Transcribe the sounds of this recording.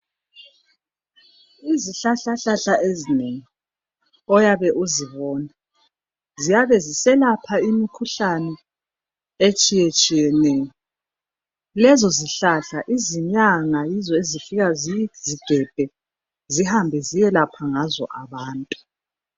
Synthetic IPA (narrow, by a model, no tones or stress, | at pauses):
iziɬaɬaɬaɬaʔezineŋi | ɔjaβɛʔuziβɔːna | zijaβɛzisɛlapʰaimikʰuɬanɛ | et͡ʃʼijet͡ʃʼijɛnɛːjɔ | lɛzɔziɬaɬaʔiziɲaŋajizɔezifiɣazziɡ̥ʱɛb̥ʱɛ | zihambʱɛzijɛlapʰaŋazɔ̰ʔaβaːntʼu̥